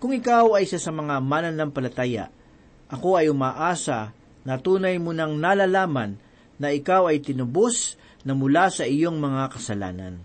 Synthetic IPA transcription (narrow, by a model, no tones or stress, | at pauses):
kʊŋɪkawɐjsasɐmɐŋamaːnɐnɐŋpɐlɐt̪aːja̰ | ʔɐko̞ɐjʊmaːʔaːsɐ | nɐt̪uːnɐjmʊnɐŋnaːlaːlaːmɐnː | ɐɪkawɐjt̪ɪnʊbos | nɐmʊlasɐʔɪjo̞ŋmɐŋakɐsɐla̰ːnɐ̰n